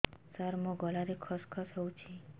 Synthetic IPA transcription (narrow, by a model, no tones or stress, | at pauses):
saɾmoɡɔlaɾekʰɔskʰɔsɦɔwt͡ʃʰi